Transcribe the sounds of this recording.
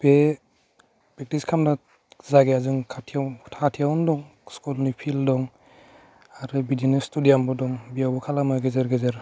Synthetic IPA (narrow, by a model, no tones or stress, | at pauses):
b̥e | b̥ek̚tiskʰamda | zaɡeazuŋkʰatʰiatʰatʰijawndɔŋskulnipʰildɔŋ | aɾɯbidinastudijambɔdɔŋbijawbɔkʰalamaɡezeɾɡezeɾ